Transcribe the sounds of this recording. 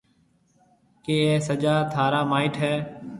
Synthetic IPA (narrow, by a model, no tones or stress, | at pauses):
keːeːsəd͡ʒaːt̪ʰaːɾaːmaːɪʈɦɛː